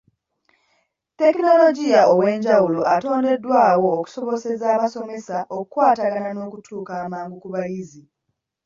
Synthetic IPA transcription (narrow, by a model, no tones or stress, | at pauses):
te̞kino̞lo̞ɟijaowe̞ːɲɟawulo̞ʔato̞ːnde̞dːwaːwo̞ːku̥so̞βo̞se̞zaːβaso̞me̞saʔokukwaːtaɡanano̞ːkutʰuːkaːmaːŋɡukuβajizi